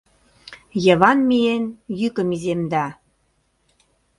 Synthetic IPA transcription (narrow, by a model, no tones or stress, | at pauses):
jɤ̆ə̆βɑnmienjykə̆mizemd̪ɑ